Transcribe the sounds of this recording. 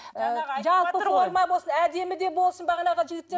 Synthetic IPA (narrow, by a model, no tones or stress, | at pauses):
ʒɑlˠpəoɾˠmɑjbosənæd̪e̞mɪd̪e̞bo̞lˠsənbɑʁɑnɑʁɑʒɪɡʲɪt̪ːe